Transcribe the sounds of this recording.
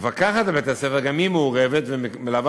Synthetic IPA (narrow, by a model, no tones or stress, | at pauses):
vakaχat̪abet̪aseveɡamimeuʁevet̪vemelav